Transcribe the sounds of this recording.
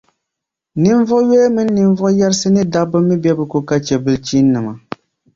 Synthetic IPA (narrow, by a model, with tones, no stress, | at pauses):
nɨ˦ɱ˦vɔ˦jɛ˦mɨ˦nː˦ɨ˨ɱ˦vɔ˦jɛ˦ɾsɨ˦nɨ˦da˦bɨ˦mːɨ˦bɛ˦bɨ˨ko˨ka˦t͡ʃɛ˨bɨ˨lt͡ʃiː˦nː˦ɨ˨ma˨